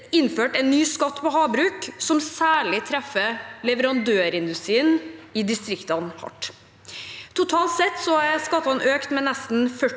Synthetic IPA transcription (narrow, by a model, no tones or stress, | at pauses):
ɪnːføːʈɛnːyːskɑt̪ːpʰɔɦɑːbɾʉːksɔmsæːɭɪt̪ʰɾɛfːəlɛʋəɾɑnd̪øːɾɪnd̪ʉst̪ɾiːənɪd̪ɪst̪ɾɪkt̪ɑnhɑ̰ʈ | t̪ʰʊt̪ʰɑːlt̪sɛt̪ːsɔæskɑt̪ːɑnʔøːkt̪mɛnɛst̪n̩fœ